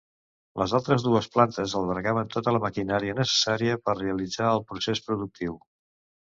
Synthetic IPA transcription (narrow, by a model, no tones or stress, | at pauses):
lʔəzalˠt̪ɾəzðuəsplant̪əzəlˠβəɾɣaβənt̪ot̪ələməkinaɾiənəsə̥saɾiəpərreəlid͡zaəlˠpɾusespɾuðuk̚t̪iw